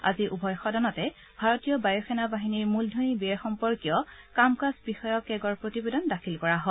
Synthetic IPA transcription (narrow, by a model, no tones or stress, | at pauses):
a̰ziʔubʱɔjxɔdɔnɔtɛ | bʱaɹotijɔbajɔxɛnabaɦiniɹmuldʱonibiɛxɔmpɔɹkijɔkamkasbixɔjɔkɛɡɔɹpɹotibedɔndakʰilkɔɹaɦɔ